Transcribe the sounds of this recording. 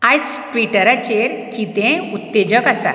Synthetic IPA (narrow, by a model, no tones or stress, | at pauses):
at͡sʈʋiʈəɾat͡ɕeɾkit̪ẽut̪ːed͡ʑəkasa̰